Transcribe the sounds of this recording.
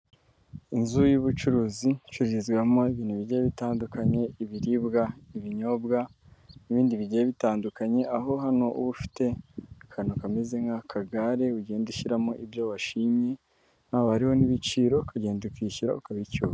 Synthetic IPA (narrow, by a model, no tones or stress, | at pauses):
inzujuβut͡ʃuɾuːzit͡ʃuɾiizɡwamo̞iβiːn̥huβiɟejeβitaːndukaɲe̞iβiɾibɡaiβiɲo̞bɡa | niβiːndiβiɟejeβitaːndukaɲe̞ʔaɦo̞ɦano̞ṵβufi̥te̞kʰanokamezeŋɡakʰaɡaɾe̞uɟeenduʃiɾamoʔibjoβaʃiɲe̞ | nhaːβohaɾiho̞niβit͡ʃiːɾo̞kʰaɟe̞ːndukiʃiɾa̰ukaβicua